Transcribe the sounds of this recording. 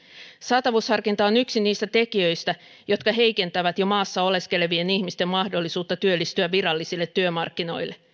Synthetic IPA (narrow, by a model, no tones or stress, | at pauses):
sɑt̪ɑʋushɑrkint̪ɑonyksiniːst̪æt̪e̞kiøjst̪æ | jo̞t̪kɑɦe̞jke̞nt̪æʋæt̪jo̞mɑːsːɑo̞le̞ske̞lʋieniçmist̪e̞mmɑhdo̞lːisuːt̪ːɑt̪yølːist̪yæːiɾɑlːisilːe̞t̪ːyømɑrkːino̞jlːʔe̞